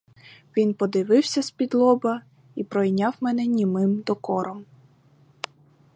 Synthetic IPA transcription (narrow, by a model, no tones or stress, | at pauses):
ʋʲinpɔd̪ɪʋɪwsʲɐspʲid̪lˠɔbɐ | ipɾɔjnʲɑwmɛnɛnʲimɪmd̪ɔkɔɾɔm